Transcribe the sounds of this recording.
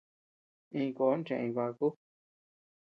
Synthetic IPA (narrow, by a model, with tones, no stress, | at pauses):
ĩ˧ko˨˦n˦t͡ʃẽ˧ĩ˧βa˧ku˦